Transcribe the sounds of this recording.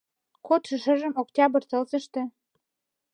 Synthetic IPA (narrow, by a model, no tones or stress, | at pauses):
kot̪ʃə̆ʃə̆ʒə̆moktʲɑbə̆rt͡sɤlzə̆ʃt̪ĕ